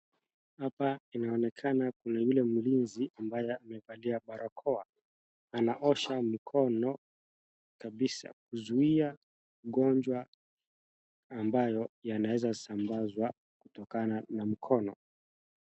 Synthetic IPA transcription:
hapainaɔnɛkʰanakunajulɛmulinziʔambajɛamɛvaliaɓaɾʔɔkʰɔa | anaʔɔʃam̩kʰɔnɔ | kaɓisa̰k̚uzuia | ɠɔnd͡ʒwa | mbajɔjanawɛzasambazwa | kutɔkananam̩kʰɔnɔ

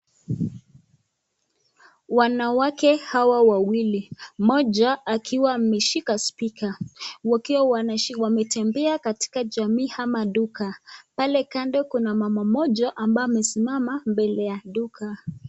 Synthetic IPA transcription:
wanawakɛhawawawilimɔʄaːkʰiwamɛʃikaspikawakiwawwamɛtɛmbɛakati̥kad͡ʒamiːhamaɗukapalɛkandɛkunamamamɔʄaʔambamɛsimamambɛlɛjaɗukʰa

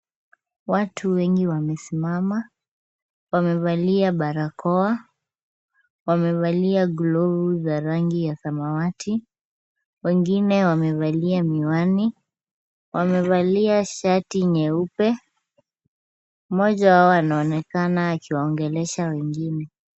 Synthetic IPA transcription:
watʰuwɛŋɡiwamɛsimama | wamɛvaliaɓaɾakɔa | wamɛβaliaɡlɔvuzaɾaŋɡijasamawatʰi | wɛŋɡinɛwamɛvaliamiwani | wʔamɛvaliaʃatiɲɛupɛ | mɔʄawaɔanaɔnɛkanaːkiwaɔŋɡɛlɛʃawɛŋɡinɛ

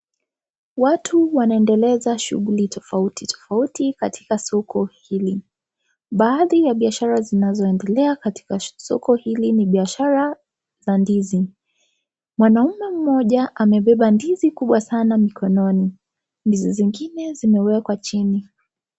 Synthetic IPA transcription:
watʰuwanaɛndɛlɛzaʃṵɣulitɔfautitɔ̥fautikatʰi̥kasɔkʰɔhili | ɓaːðijaɓiaʃaɾazinazɔɛndɛlɛakati̥kasɔ̰kɔhiliniɓiaʃaɾa | zandizi | mwanaumɛm̩mɔʄaʔamɛɓɛɓandizikuɓwasanamikʰɔnɔni | ndiziziŋɡinɛzimɛwɛkwat͡ʃini

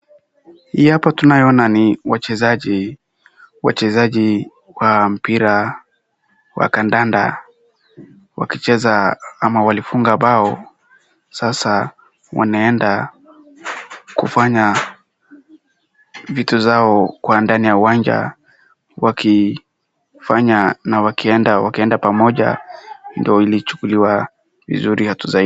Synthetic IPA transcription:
hiapatunajɔnaniwat͡ʃɛzaʄi | wa̰t͡ʃɛzaʄi | wam̩piɾa | wa̰kandanda̰ | wa̰kit͡ʃɛzaamawalifuŋɡaɓaɔ | sasa | wa̰naɛnda | kufaɲa | vituzaɔkwandanijauwand͡ʒa̰ | wakʰi | faɲanawakiɛndawakiɛndapamɔʄa̰ndiɔilit͡ʃu̥kuliwa | vḭzuɾihatuzai

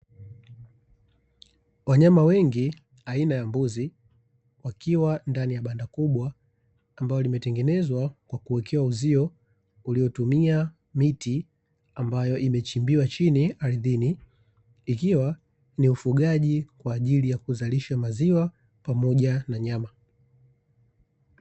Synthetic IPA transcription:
waɲamawɛŋɡi | ainajambuzi | wakiwandanijaɓandakuɓwaː | mbajɔlimɛtɛŋɡɛnɛzwakwakuwɛkʰɛwauziɔ | uliɔtumia | miti | ambajɔʔimɛt͡ʃimbiwat͡ʃiniaɾiðiniː | kiwa | niufuɠaʄikwaːʄilijakuzaliʃamaziwa | pamɔʄanaɲama

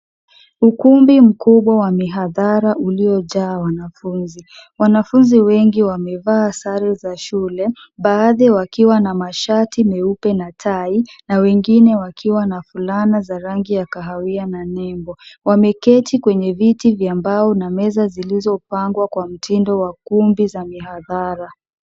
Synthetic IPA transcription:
ukumbim̩kuɓwawamiɦaðaɾaʔuliɔʄaːwanafunziwanafunziwɛŋɡiwamɛvaːsaɾɛzaʃulɛ | ɓaːðɛwakiwanamaʃatimɛupɛnatʰainawɛŋɡinɛwakʰiwanafulanazaɾaŋɡijakaɦawiananɛmbɔwamɛkɛtʰikwɛɲɛvitivjambaɔnamɛzazilizɔpaŋɡwakwam̩tʰindɔwakumbizamiɦaðaɾa

